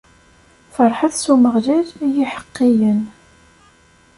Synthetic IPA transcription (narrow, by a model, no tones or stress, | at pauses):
fɑɾˤħaθsuməʁlæðjiħə̥qːijən